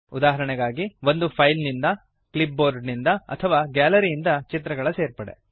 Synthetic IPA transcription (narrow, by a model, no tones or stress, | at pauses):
ud̪aːɦɐɾɐɳɛɡaːɡiʋo̞nd̪upʰɐjlnind̪ɐ | klip̚boːɾɖnind̪ɐɐ̰t̪ʰɐʋaːɡaːlɐɾiːnd̪ɐt͡ʃit̪ɾɐɡɐɭɐse̞ːɾpɐɽḛ